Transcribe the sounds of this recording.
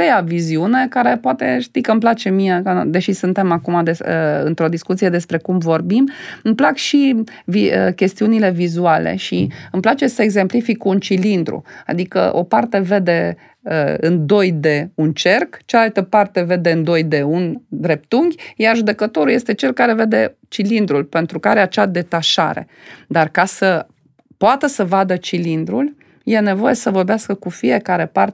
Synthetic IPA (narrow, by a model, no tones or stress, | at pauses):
ejaviziune̞kaɾe̞poat̪e̞ʃt̪ijkəɨmplat͡ʃe̞mijekad̪e̞ʃisɨnt̪e̞makumad̪eəɨ̰nt̪ɾo̞d̪iskut̪sijed̪e̞spɾe̞kumvo̞rbimɨmplakʃi | viəkʲe̞st̪iunilevizualḛʃiɨmplat͡ʃe̞səeɡze̞mplifikunt͡ʃilind̪ɾṵa̰d̪ikə̰ʔo̞̰part̪e̞ve̞d̪e̞ | əɨnd̪o̞jd̪e̞unt͡ʃe̞rkt͡ʃeaalt̪əpart̪e̞ve̞d̪e̞ɨnd̪o̞jd̪e̞und̪ɾe̞p̚t̪uŋɡʲjarʒud̪e̞kət̪o̞ɾuljest̪e̞t͡ʃe̞lkaɾe̞ve̞d̪e̞t͡ʃilind̪ɾulpe̞nt̪ɾukaɾeat͡ʃad̪e̞t̪aʃa̰ɾe̞̰ | d̪arkasə | poat̪əsəvad̪ət͡ʃilind̪ɾul | je̞ne̞vo̞je̞səvo̞rbeaskəkufie̞kaɾe̞par